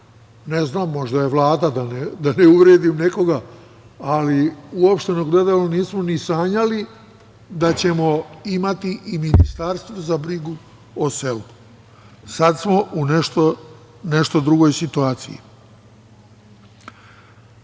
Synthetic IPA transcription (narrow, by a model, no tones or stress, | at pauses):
neznaːmːo̞ʒd̪aje̞ʋlˠaːd̪ad̪aned̪aneuʋɾeːd̪imneko̞ɡaː | liuopʃt̪e̞noɡle̞d̪aloniːsmo̞nisaːɲali | d̪at͡ɕe̞moimat̪iʔiminist̪aɾst̪ʋozabɾiɡu | oselu | sad̪smo̞ʔuneʃt̪o | neʃt̪o̞d̪ɾuɡo̞jsit̪uaːt̪sḭjḭ